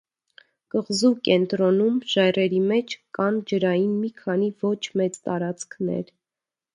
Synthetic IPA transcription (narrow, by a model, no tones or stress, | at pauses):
kəʁzukɛnt̪ɾɔnumʒɑjrɛɾimɛt͡ʃʰkɑnd͡ʒəɾɑjinmikʰɑnivɔt͡ʃʰmɛt͡st̪ɑɾɑt͡skʰnɛ̰ɾ